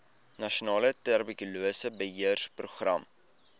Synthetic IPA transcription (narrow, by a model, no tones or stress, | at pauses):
nɐʃunɑːlətærbikyluəsəbəɦiərspruχrɐ̰m